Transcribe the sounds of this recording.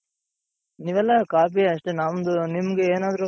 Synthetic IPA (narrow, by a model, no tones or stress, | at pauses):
niʋɛlːɐkaːp̬iɐʂʈenaːmd̪unimɐɡeeːnaːd̪ɐɾu